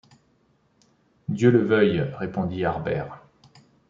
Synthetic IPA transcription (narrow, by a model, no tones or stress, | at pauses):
d̪jøləvœjʁepɔ̃d̪iaʁbɛ̰ːʁ